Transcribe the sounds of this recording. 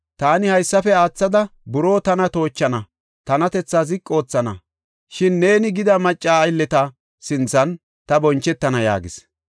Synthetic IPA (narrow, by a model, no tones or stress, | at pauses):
t̪aːnɪhɐjsːɐfɛaːt͡sːɐd̪ɐbʊɾo̞ːt̪ɐnɐt̪o̞ːt͡ʃːɐnɐ | t̪ɐnɐt̪ɛt͡sːaːzɪkʼːo̞ːt͡sːɐnɐ̰ | ʃɪnːe̞ːnɪɡɪd̪ɐmɐt͡ʃʼːaːjlːɛt̪ɐ | sɪnt͡sːɐn | t̪ɐbɔnt͡ʃːɛt̪ːɐnɐja̰ːɡɪs